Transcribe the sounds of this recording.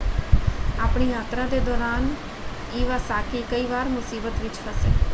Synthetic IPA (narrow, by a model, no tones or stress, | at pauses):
aːpɳijaːt̪ɾad̪ed̪ɔːɾaːn | iːʋasaːkʰikəiːʋaːɾmʊsiːbət̪ʋɪt͡ʃfʰəseː